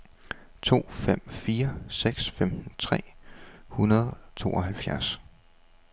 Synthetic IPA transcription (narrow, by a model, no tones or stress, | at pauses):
t͡sʰo̝̰ːfem̰fiːɐseɡ̥sfemn̩t͡sʰʁɛ̰ːhunɐð̞ˠt͡sʰo̝̰ːɒ̽ɦælfjæɐs